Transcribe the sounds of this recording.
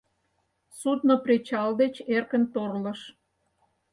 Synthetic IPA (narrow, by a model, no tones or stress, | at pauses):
sud̪̚nopret͡ɕɑld̪et͡ɕerkənt̪orlə̆ʃ